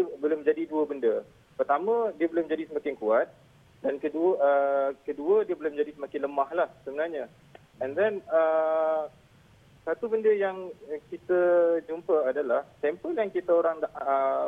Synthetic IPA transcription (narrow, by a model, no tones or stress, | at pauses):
diəbəlʊmd͡ʒadiduəbəndə | pərt̪amə̃diəbəlʊmd͡ʒadisəmakɪŋkuat̪̚ | dankəduəəkəduədiəbəlʊmd͡ʒadisəmakɪnləmahlahsəbənarɲa | ɛndɛnə | sat̪ubəndəjaŋkit̪əd͡ʒumpəadalaht̪ɛmpəljaŋkit̪əoɾaŋdaʔə